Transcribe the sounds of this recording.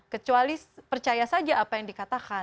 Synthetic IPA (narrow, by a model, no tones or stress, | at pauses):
kət͡ʃualipərt͡ʃajasad͡ʒaʔːpajaŋdikat̪aka